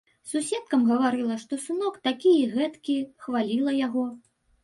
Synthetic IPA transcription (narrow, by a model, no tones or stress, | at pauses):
susʲɛt̪̚kɐmɣɐvaɾɨlˠɐʂt̪ɔsunɔkt̪akʲijɛɣɛt̪kʲixvalʲilˠɐjaɣɔ